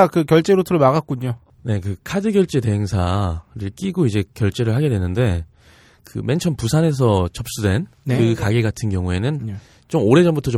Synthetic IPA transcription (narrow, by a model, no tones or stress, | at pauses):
akɯkjʌɭt͡ɕ͈eɾotʰɯɾomaɣat̚k͈uɲo | ne̞kɯkʰadɯɡjʌɭt͡ɕ͈e̞te̞ɦeŋsʰaɾiɭk͈iɡoid͡ʑe̞kjʌɭt͡ɕ͈e̞ɾɯɭhaɡe̞dwe̞nɯnde̞ | kɯ̰me̞nt͡ɕʰʌnpusʰane̞s̬ʰʌt͡ɕʌp̚s͈udwe̞nkɯkaɡeɡatʰɯnɡjʌŋue̞nɯn | t͡ɕ͈omoɾe̞d͡ʑʌnbutʰʌt͡ɕo